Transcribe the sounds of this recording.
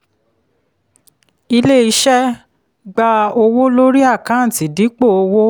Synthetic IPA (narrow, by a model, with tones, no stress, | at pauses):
i˧le˦i˧ʃɛ˦ | ɡ͡ba˧o˧wo˦lo˦ɾi˦a˦˨kã˨˦n̩˨ti˨˦di˨˦k͡po˦˨o˧wo˦